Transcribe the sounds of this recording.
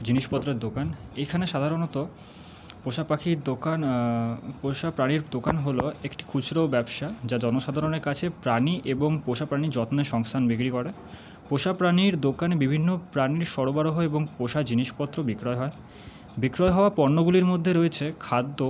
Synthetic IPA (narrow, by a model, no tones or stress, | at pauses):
d͡ʑiniʃpɔt̪ːɾeɾd̪okanejkʰaneʃad̪ʱaɾonɔt̪o | poʃapakʰiɾd̪okan | poʃapɾaniɾd̪okanɦoloekʈi̥kʰut͡ɕʰɾowbɛbʃad͡ʑad͡ʑɔnoʃad̪ʱaɾoneɾkat͡ɕʰepɾaniʔeboŋpoʃapɾanid͡ʑɔt̪neʃɔŋst̪ʰanbikɾikoɾe | poʃapɾaniɾd̪okanebibʱinːopɾaniɾʃɔɾobaɾoɦoeboŋpoʃad͡ʑiniʃpɔt̪ːɾobikɾɔeɦɔe | bikɾɔeɦɔoapɔɾnoɡuliɾmod̪ʱːeɾoet͡ɕʰekʰad̪ːo